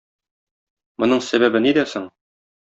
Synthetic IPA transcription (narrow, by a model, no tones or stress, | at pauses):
mŏnɤɴsæbæbɘnid̪æsoɴ